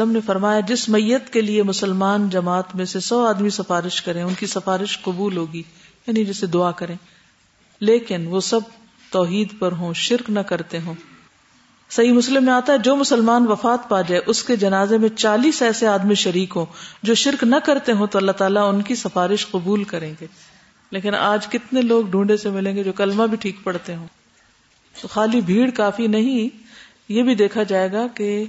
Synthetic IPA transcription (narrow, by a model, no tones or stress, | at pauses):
ləmnefɐɾmaːjad͡ʒɪsmɐjːət̪keliemʊsəlmaːnd͡ʒɐmaːt̪mẽsesɔːaːd̪misɐfaːɾɪʃkɐɾẽːʊnkisɐfaːɾɪʃqɐbuːlɦoːɡiː | jaːnid͡ʒɛsed̪ʊaːkɐɾẽː | leːkɪnʋosɐb̚ | t̪ɔːɦiːd̪pɐɾɦõːʃɪɾknɐkɐɾt̪eɦõː | sɐɦimʊslɪmːẽaːt̪aɦɛd͡ʒoːmʊsəlmaːnʋɐfaːt̪paːd͡ʒaːeʔʊsked͡ʒɐnaːzemẽt͡ʃaːliːsɛːseaːd̪miʃɐɾiːkɦõːd͡ʒoːʃɪɾknɐkɐɾt̪eɦõt̪oɐlːaɦt̪aːlaʊnkisɐfaːɾɪʃqʊbuːlkɐɾẽːŋɡeː | leːkɪna̰ːd͡ʒkɪt̪neloːɡɖʱũːɳɖesemɪlẽːŋɡed͡ʒoːkɐlmabʱiʈʰiːkpɐɽt̪eɦõː | t̪oːxaːlibʱiːɽkaːfinɐɦĩ | jebʱid̪eːkʰad͡ʒaːeːɡake